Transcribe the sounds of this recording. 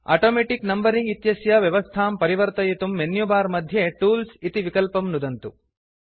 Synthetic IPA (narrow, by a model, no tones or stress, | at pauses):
a̰ːʈoːmeːʈiknɐmbɐɾiŋɡit̪jɐsjɐʋjɐʋɐst̪ʰaːmpɐɾiʋɐɾt̪ɐjit̪umːenjubaːɾmɐd̪ʱjeʈuːlsit̪iʋikɐlpɐmnud̪ɐnt̪u